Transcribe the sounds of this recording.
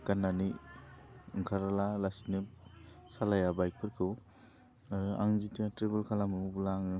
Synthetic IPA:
kanːani | ɯŋkʰaɾalalasnɯsalajabajk̚pʰɯɾkʰɯw | a̰ŋzitatɾebulkʰalamɯubulaŋɯ

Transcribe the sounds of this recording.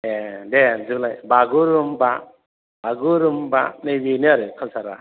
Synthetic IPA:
edezɯɡlajbaɡuɾɯmba | baɡuɾɯmbanebiniaɾɯkʰalsaɾa̰

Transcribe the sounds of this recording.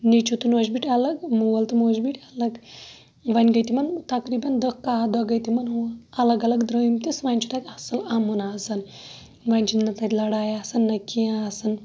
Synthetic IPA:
nit͡ʃʰut̪unoːd͡ʒbiʈʲɐlɐɡmuʋɐlt̪umoːd͡ʒbiʈʰʲɐlɐɡ | ʋɐnʲɡɐjt̪imɐnt̪ɐkɾiːbɐnd̪əkːaːd̪ɐɡɐjt̪imɐnɦɐlɐɡɐlɐɡd̪ɾəjimt̪isʋɐnʲt͡ʃʰu̥t̪at̪ʲɐsɐlɐmunaːsɐn | ʋɐnʲt͡ʃʰinnɐt̪ɐt̪ʲlɐɽaːjaːsɐnːɐkijaːsɐn

